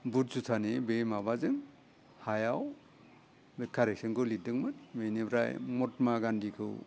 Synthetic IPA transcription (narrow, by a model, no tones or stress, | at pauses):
but̚sutʰanebejmabazɯŋ | hajaw | bekʰaɾesɯŋkɯlidɯŋmɯt̚benibɾa̰jmɔt̚maɡandikʰɯw